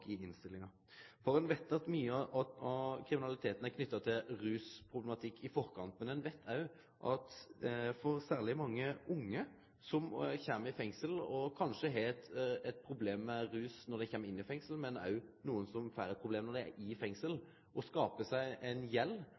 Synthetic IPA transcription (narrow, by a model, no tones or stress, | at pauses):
ɪɪnst̪ɪlːɪŋɑ | fɔɾɛnʋɛt̪ːɑt̪myːəʔɑɑkʰɾɪmɪnɑlɪt̪ʰeːt̪ənækʰnʏt̪ːɑt̪ʰɪlɾʉːspʰʁʊblɛmɑt̪ʰɪkːɪfɔɾkʰɑnt̪mɛnɛnʋɛt̪ʰːæɪ | ʔɑt̪fɔɾsæːʁlɪmɑŋːəʔʊŋːə | sɔmçeːməɪfɛŋsəlɔkʰɑnʂəɦɛt̪ɛt̪̚pʰɾʊbleːmːɛɾʉːsnɔɾd̪ɛçɛːmːəɪnːɪfɛŋsəlmɛnæ̰nuːənsɔmfæɾəpʰʁʊbleːmnɔd̪ɛæ̰ʔɪfɛŋsəl | ʔɔskɑːpəsæɪʔɛnjɛlː